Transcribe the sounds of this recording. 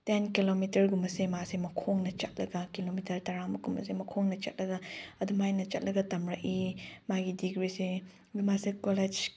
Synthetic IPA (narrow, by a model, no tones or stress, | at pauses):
tenkilomitɐɾɡumbɐsemasemɐkʰoŋnɐt͡ʃɐt̚lɐɡɐkilomitɐɾtɐɾaŋmɐɡumbɐ̰semɐkʰoŋnɐt͡ʃɐt̚lɐɡɐɐdumajnɐt͡ʃɐt̚lɐɡɐtɐmɾɐkimaɡidiɡɾise | ɡumasekoled͡ʒ